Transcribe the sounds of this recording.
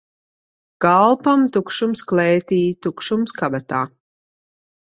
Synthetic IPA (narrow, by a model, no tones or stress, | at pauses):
ɡ̥alˠpamt̪ukʃumsklɛːt̪iːt̪ukʃumskabat̪a̰ː